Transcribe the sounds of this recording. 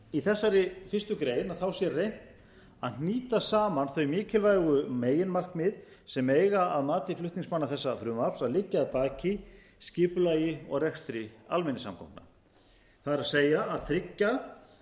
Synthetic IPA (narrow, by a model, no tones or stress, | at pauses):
iθɛsːaɾɪfɪrst̪ʏkɾeːjnaðθawsjɛrejn̥t̪ | aðn̥niːt̪asaːmanθœɥmɪːcɪlvajɣʏmeːjɪnmar̥kmɪð | sɛmeːjɣaaðmaːt̪ɪflʏht̪nɪiŋsmanːaθɛsːafɾʏmal̥saðlɪcːaːðt̪aːcɪ | scɪːpʏlaːjɪɔɣrɛxst̪ɾɪa̰lmɛnːɪsa̰mkʰɔ̰wp̪na̰ | θaðɛɾaseːjaːðt̪ʰɾɪcːa